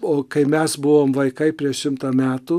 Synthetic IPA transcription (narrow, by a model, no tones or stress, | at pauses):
oːkɐɪmʲɛsbʊʋoːmʋɐɪkɐɪpʲɾʲiɛʃʃʲɪmt̪ɐːmʲæːt̪uː